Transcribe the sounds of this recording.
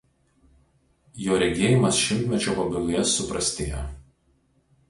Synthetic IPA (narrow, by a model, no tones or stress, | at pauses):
joːɾʲɛɡʲeːjɪmɐsʃʲɪmʲˑt̪ʲmʲɛt͡ʃʲoːpɐbʲɪlˠʊjɛsʊpɾɐsʲt̪ʲeːjo